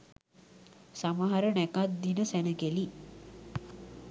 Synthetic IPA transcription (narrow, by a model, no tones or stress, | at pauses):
saməɦaɾənækat̪̚d̪inəsænəɡeli